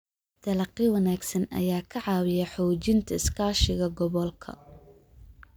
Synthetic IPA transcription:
d̪̥ɐlɐqɪwɐnaːɡsɐnɐ̰jaːkʰɐʕɑːwɪjɐħɔːt͡ʃɪnt̪ʰɐɪskʰaːʃɪɣɐɡɔβɔlkʰɐ̰

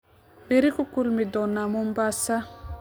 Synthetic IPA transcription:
beɾikukulmidɔnamumbasa

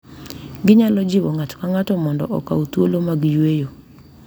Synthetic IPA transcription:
ɡɪɲalɔd͡ʒɪwɔŋatkaŋatɔmɔndɔ̰ʔɔka̰ut̪wolomaɡjwejo

